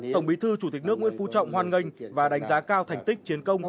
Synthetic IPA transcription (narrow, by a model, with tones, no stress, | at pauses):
t̪ə˧˩wŋ͡mɓi˨˦t̪ʰɨ˧t͡ɕu˧˩t̪i˨˩k̟̚nɨ˦˥k̚w̰ənfu˨˦t͡ɕɔ̰˧˨wŋ͡mhwaː˧˩nŋə˧jŋ̟vaː˨˩ɗa˨˦jŋ̟zaː˨˦kaː˧wt̪ʰa˨˩jŋ̟t̪ï˦˥k̟̚t͡ɕi˨˦ənkə˧wŋ͡m